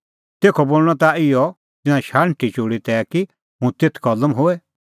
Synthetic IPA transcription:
t̪eːkʰɔboːlɽ̃ɔ̃t̪aɪjɔ | t̪ɪnãʃaːɽʈʰit͡ʃoːɽit̪ɛːki | ɦũt̪et̪ʰkɐləmɦoɛ

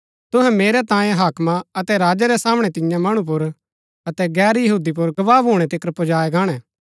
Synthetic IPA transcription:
t̪ʊɦɛ̃meːɾɛt̪ãːjẽɦaːkmãɐt̪ɛɾaːd͡ʒaɾɛsaːmɽ̃ɛt̪ɪjãmɐɽ̃ũp̬ʊɾ | ɐt̪ɛɡɛːɾjɐɦuːd̪ip̬ʊɾɡɐʋaːbɦoːɽ̃ɛt̪ɪkɾpod͡ʒaːeɡaːɽ̃ɛː

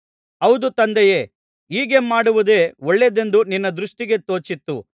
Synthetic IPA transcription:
ɐwd̪ut̪ɐnd̪ɛjeː | iːɡe̞maːɽuʋud̪eːɔɭːed̪e̞nd̪uninːɐd̪ɾuʂʈiɡe̞t̪o̞ːt͡ʃit̪ːu

